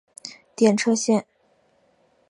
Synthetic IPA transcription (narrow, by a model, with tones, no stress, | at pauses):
t̪jɛ˨˩nʈ͡ʂʰɤ˥˧ɕjɛ˥˩n